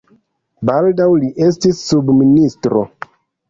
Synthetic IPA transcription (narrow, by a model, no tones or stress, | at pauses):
baldawliʔe̞s̬tisːubministɾo̞̰